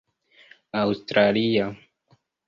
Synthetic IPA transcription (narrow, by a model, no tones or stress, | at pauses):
awst̪ɾalia